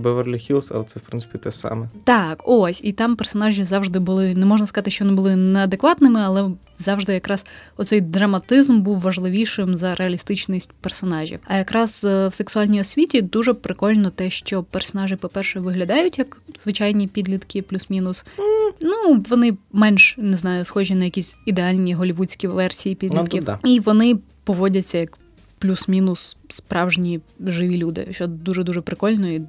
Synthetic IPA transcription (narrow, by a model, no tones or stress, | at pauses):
bɛʋɛrlʲixʲilˠsɐ̰t̪sɛwpɾɪnsɪ̥pʲit̪ɛsɑ̰mɛt̪ɑkosʲit̪ɑmpɛrsɔnɑʒʲizɑwʒd̪ɪbʊlˠɪnɛmɔʒnɐskɐzɑt̪ɪʃt͡ʃɔʋɔnɪbʊlˠɪnɛɐd̪ekʋɑt̪nɪmɪɐlˠɛ | zɑwʒd̪ɪjɐkɾɑz̥ɔt̪sɛjd̪ɾɐmɐt̪ɪzmbuwʋɐʒlˠɪʋʲijʃɪmzɐɾʔeɐlʲist̪ɪt͡ʃnɪsʲt̚ʲpɛrsɔnɑʒʲḭwɐjɐkɾɑzwseksʊɑlʲnʲijɔsʲʋʲitʲid̪uʒɛpɾɪkɔlʲnɔt̪ɛʃt͡ʃɔpɛrsɔnɑʒɪpɔpɛrʃɛʋɪɦlʲɐd̪ɑjʊtʲjɐkzʋɪt͡ʃɑjnʲipʲid̪lʲit̪kɪplʲusmʲinʊsnuʋɔnɪmɛnʃnɪznɑjʊsxɔʒinɐjɐkʲisʲid̪eɑlʲnʲiɦɔlʲiʋut͡sʲkʲiʋɛrsʲijipʲid̪lʲkʲiiʋɔnɪ | pɔʋɔdʲɐt͡sʲːɐjɐk | plʲusmʲinʊsspɾɑwʒnʲiʒɪʋʲilʲud̪ɪ̰ʃt͡ʃɔd̪uʒɛd̪uʒɛpɾɪkɔlʲnɔi